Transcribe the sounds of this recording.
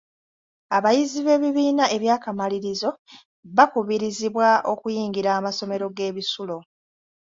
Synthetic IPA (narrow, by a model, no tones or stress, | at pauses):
aβajiziβe̞ːβiβiːnaʔe̞βjaːkamaliɾizo̞ | βakuβiɾiziβwaʔo̞kujiːŋɡiɾaːmaso̞me̞ɾo̞ɡe̞ːβisulo̞